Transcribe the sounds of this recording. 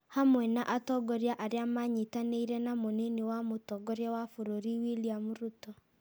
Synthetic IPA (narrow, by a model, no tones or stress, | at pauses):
hamwɛnaʔatɔɡɔɾjaʔaɾeamaɲitaneiɾɛnamonenewamotɔɡɔɾjawafoɾoɾiwiliamuɾutɔ